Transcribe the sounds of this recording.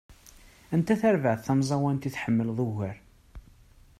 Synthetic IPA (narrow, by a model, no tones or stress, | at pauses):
ænt̪æθæɾvəʕθθæmzˤɑwænt̪iθħəmːəlðˤʊʝəɾ